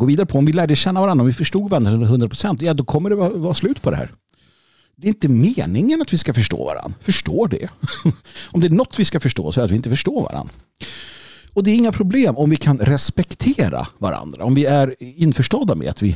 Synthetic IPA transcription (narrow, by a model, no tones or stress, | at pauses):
ɡoːviːd̪aɾəpʰɔɔmvɪlæːɖəɕɛnːavaɾand̪ɾɔmvɪfœʂʈuːɡvɛnːɦɵnd̪ɾapʰɾʊsɛnt̪jɑːd̪ɔkʰɔmːəɖɛvɑvɑːslʉ̟ːt̪pʰɔd̪ɛ̰ɦæ̰ːɾ | d̪ɛɾɪnt̪əmeːnɪŋənat̪vɪskafœʂʈo̰ːva̰ɾa̰nːfœʂʈoːɖɛ̰ | ɔmd̪ɛæɳɔt̪ʰːvɪskafœʂʈo̰ːsɛɾat̪vɪɪnt̪əfœʂʈoːva̰ɾa̰nːɾa | ɔd̪ɛæɾɪŋːapʰɾʊbleːmɔmvɪkʰanɾɛspɛkt̪ʰeːɾa̰va̰ɾa̰nd̪ɾa̰ɔmvɪæɾɪnfœʂʈɑd̪amɛ̰a̰t̪vɪ